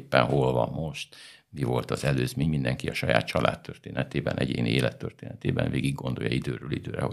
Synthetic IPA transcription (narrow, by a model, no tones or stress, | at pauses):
pːɛnɦolvɒmːo̞ʃt̪ | mivo̞lt̪ɒzɛløːzmeːɲmind̪ɛŋkiɒʃɒja̰ːt̪t͡ʃɒlʔaːt̪ːørt̪eːnɛt̪eːbɛnʔɛɟeːnieːlɛt̪ːørt̪eːnɛt̪eːbɛnveːɡiɡɡːo̞nd̪o̞jɒid̪øːɾøːlid̪øːɾɛo